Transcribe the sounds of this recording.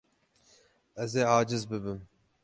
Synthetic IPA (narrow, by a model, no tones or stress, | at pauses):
ɛzeːɑːd͡ʒɪzbɨbɨm